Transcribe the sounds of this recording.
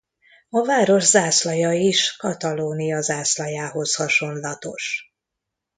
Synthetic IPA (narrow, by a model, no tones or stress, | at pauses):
ɒvaːɾo̞ʒzaːslɒjɒiʃkɒt̪ɒloːnijɒzaːslɒjaːɦo̞shɒʃo̞nlɒt̪o̞ʃ